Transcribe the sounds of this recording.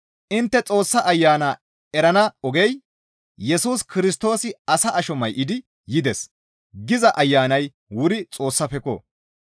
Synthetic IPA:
ʔɪnt̪ːɛt͡sʼo̞ːsːɐʔɐjːaːna | ɛɾɐnɐɔɡɛj | jɛsuːskɪɾɪs̬t̪o̞ːsɪɐsɐʔɐʃɔmɐjʔɪd̪ɪ | jɪd̪ɛs | ɡɪzɐʔɐjːaːnɐj | wʊɾɪt͡sʼo̞ːsːɐfɛkɔ̰ː

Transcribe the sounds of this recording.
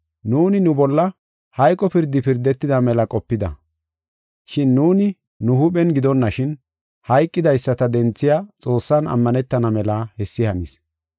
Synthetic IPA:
nuːnɪnʊbɔlːɐ | hɐjkʼɔpɪɾd̪ɪpɪɾd̪ɛt̪ːɪd̪ɐmɛlɐkʼɔpːɪd̪ɐ̰ | ʃɪnːuːnɪ | nʊhʊɓɛnɡɪd̪ɔnːɐʃɪn | hɐjkʼːɪd̪ɐjsːɐt̪ɐd̪ɛnt͡sːɪjaːt͡sʼo̞ːsːɐnɐ̰mːɐnɛt̪ːɐnɐmɛlahɛsːɪhɐnis

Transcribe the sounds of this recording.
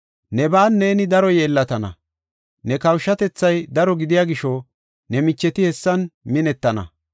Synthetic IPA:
nɛbaːnːe̞ːnɪd̪ɐɾɔjeːlːɐt̪ɐnɐ̰ | nɛkɐwʃːɐt̪ɛt͡sːɐjd̪ɐɾɔɡɪd̪ɪjaːɡɪʃɔ | nɛmɪt͡ʃːɛt̪ɪhɛsːɐnmɪnɛt̪ːɐnɐ̰

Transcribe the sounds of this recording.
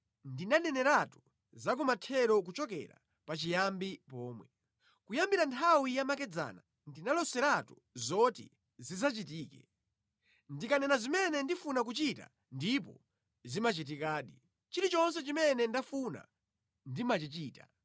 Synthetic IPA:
ndinanɛnɛɾatu | zak̬umatʰɛɾɔk̬ut͡ʃɔk̬ɛ̰ɾa̰ | pat͡ʃijambipɔːmwɛ | kujambiɾantʰawijamakɛd͡za̰na | ndinalɔsɛɾatu | zɔtḭ | zizat͡ʃitiːkɛ̰ | ndikanɛnazimɛnɛndifunak̬ut͡ʃita̰ | ndip̬ɔ̰ | zimat͡ʃit̬ikaːɗi | t͡ʃiɾit͡ʃɔns̬ɛt͡ʃimɛnɛndafuna̰ | ndimat͡ʃit͡ʃiːta

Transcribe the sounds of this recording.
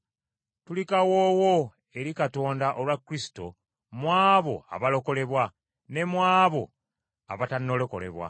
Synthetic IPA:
tulikawoːwo̞ | e̞ɾikato̞ːndaʔolwakːɾisi̥to̞̰ | mwaːβo̞a̰βalo̞ko̞le̞βwa | ne̞mwaːβo̞̰ | a̰βatanːolo̞ko̞̰le̞̰βwa̰

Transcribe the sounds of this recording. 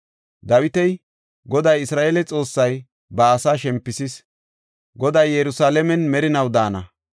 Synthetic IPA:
d̪ɐwɪt̪ɛj | ɡɔd̪ɐjɪsɾaːʔeːlɛt͡sʼo̞ːsːɐj | bɐːsaːʃɛmpːɪsɪs | ɡɔd̪ɐjːɛɾʊsaːlɛmɛnmɛɾɪnɐwd̪aːnɐ̰

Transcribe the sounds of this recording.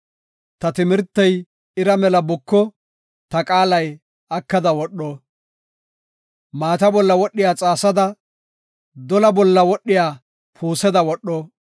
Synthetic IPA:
t̪ɐt̪ɪmɪɾt̪ːɐj | ɪɾɐmɛlɐbʊkːɔ | t̪ɐkʼaːlɐj | ɐkːɐd̪ɐwɔɗːoː | maːt̪ɐbɔlːɐwɔɗːɪjaːt͡sʼaːsɐd̪ɐ | d̪ɔlɐbɔlːɐwɔɗːɪjaː | pʰuːsɛd̪ɐwɔɗːɔː

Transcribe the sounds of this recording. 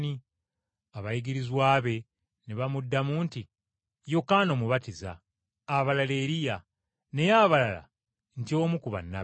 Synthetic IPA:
ni | aβajiɡiɾizwaːβe̞ | neβamudːamuːnti | jokaːno̞muβatiza̰ː | βalale̞ːɾija | ne̞jaːβalala̰ | ntio̞ːmukuβa̰nːa

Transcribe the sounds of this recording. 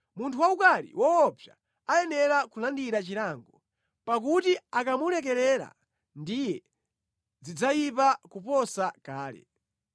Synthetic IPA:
muntʰuwaukaɾḭwɔːpʰja̰ | ajɛnɛɾakulandiɾat͡ʃiɾaŋɡɔ | pak̬utiakamulɛk̬ɛlɛɾa̰ | ndijɛ | d͡zid͡zajipakupɔsakaːlɛ̰

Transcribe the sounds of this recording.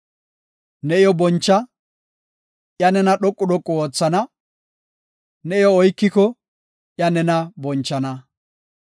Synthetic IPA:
nɛɪjɔbɔnt͡ʃːɐ | ʔjɐnɛnɐɗɔkʼːʊɗɔkʼːʊwoːt͡sːɐnɐ | nɛɪjɔɔjkːɪkɔ | ʔjɐnɛnɐbɔnt͡ʃːɐnɐ

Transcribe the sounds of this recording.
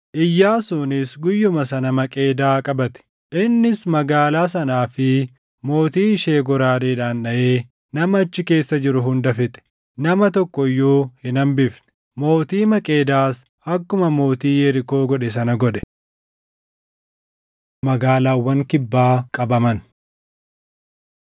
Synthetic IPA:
ʔɪjːaːsʊnɪsɡʊjːʊmɐsɐnɐmɐkʼe̞ːd̪aːkʼɐbɐt̪ɛ̥ | ʔɪnːɪsmɐɡaːlaːs̬ɐnaːfɪ | mo̞ːt̪iːʃe̞ːɡɔɾaːd̪eːᶑaːnːɐʔeː | nɐmɐːt͡ʃːɪke̞ːsːɐd͡ʒɪɾʊɦʊnd̪ɐfɪt̪ɛ̥ | nɐmɐt̪ɔkːɔjːoːhɪnɐmbɪfnɛ̥ | mo̞ːt̪iːmɐkʼe̞ːd̪aːs | ɐkːʊmɐmo̞ːt̪iːjɛɾɪko̞ːɡɔᶑɛs̬ɐnɐɡɔᶑɛ̥ | mɐɡaːlaːwːɐŋkɪbːaːkʼɐbɐmɐn

